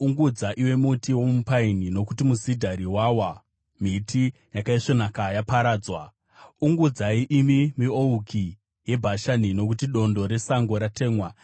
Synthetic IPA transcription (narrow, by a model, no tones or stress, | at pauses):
uŋɡud͡zaʔiwe̞mutiwo̞mupainino̞kutimusidʱaɾiwawa | mitʰijakaiʂonakajapaɾaːd͡zwa | uŋɡud͡zaiʔimimio̞uki | je̞bʱaʃanino̞kutiɗo̞ndo̞ɾe̞saŋɡo̞ɾate̞ːmwa